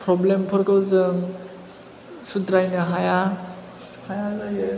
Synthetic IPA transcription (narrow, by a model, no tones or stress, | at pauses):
pʰɾɔblempʰɯɾkɯwɾzɯŋ | sudɾajnɯɦaja | hajazajɯ